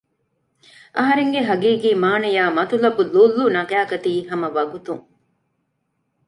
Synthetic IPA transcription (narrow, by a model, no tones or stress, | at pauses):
ʔɐɦɐɾeŋɡeɦɐɡiːɡiːmaːnɐjaːmɐt̪ulɐbuluːlːuːnɐɡæːkɐt̪iːɦɐmɐʋɐɡut̪uŋ